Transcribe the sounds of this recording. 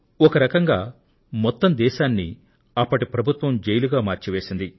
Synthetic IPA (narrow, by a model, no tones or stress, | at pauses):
ɔkɐɾɐkɐŋɡaː | mɔt̪ːɐmd̪ɛːʃaːnːi | ɐpːɐʈipɾɐbʱut̪ʋɐmd͡ʒejluɡaːmaːɾt͡ʃiʋe̞ːsind̪i